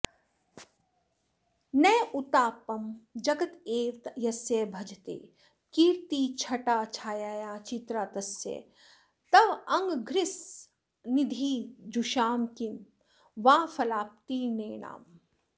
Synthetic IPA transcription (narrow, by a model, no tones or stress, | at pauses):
neːut̪aːpɐmd͡ʒɐɡɐt̪eːɾt̪jɐsjeːbʱɐd͡ʒʱt̪ḛː | kiːɾt̪iːt͡ʃʰɐʈaːt͡ʃʰaːjaːjaːt͡ʃit̪ɾaːt̪ɐsjḛː | t̪ɐʋɐŋɡɡʱɾɪs | nid̪ʱiːd͡ʒuʃaːmkin | ʋaːfɐlaːp̚t̪iːneːɳa̰ːm